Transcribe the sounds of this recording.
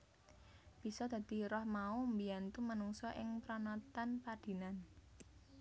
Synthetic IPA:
b̥i̤sɔd̪̥a̤d̪̥i̤ɾɔhmaumbiant̪umanuŋsɔʔɪŋpɾɔnɔt̪anpad̪̥i̤nan

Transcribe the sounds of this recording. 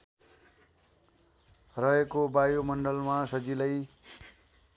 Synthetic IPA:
rʌɦekobajomʌnɖʌlmasʌd͡zilʌj

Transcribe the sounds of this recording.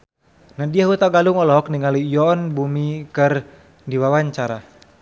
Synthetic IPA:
nadiaɦut̪aɡaluŋɔlɔɦɔk̚niŋalijɔnbumikɨr | diwawaɲt͡ʃaɾa

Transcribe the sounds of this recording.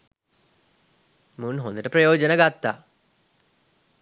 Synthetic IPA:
munɦond̪iʈːeprɐjoːd͡ʑɐnɐɡɐt̪ːa

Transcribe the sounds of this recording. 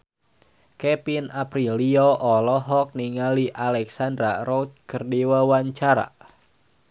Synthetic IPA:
kɛpinapɾiliɔʔɔlɔɦɔk̚niŋaliʔalɛksand̪ɾaɾɔwt̪̚kərdiwawaɲt͡ʃaɾa̰

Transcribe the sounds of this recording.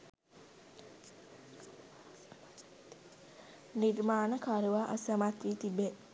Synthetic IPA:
niɾmaːnəkʰaɾuʋaʔəsəmat̪ɾiːt̪ibe

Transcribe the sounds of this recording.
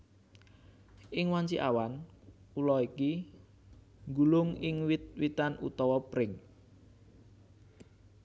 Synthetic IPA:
ʔɪŋwaɲt͡ʃiʔa̰wan | ulɔiki | ŋɡulʊŋɪŋwit̪̚wit̪anṵt̪ɔwɔpɾɪŋ

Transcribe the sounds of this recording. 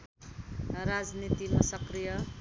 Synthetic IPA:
ɾad͡znit̪imasʌkɾijʌ

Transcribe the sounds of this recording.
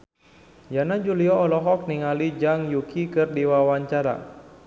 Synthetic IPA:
janad͡ʒuliɔːlɔɦɔk̚niŋalid͡ʒaŋjukʰikɨrdiwawaɲt͡ʃaɾa̰

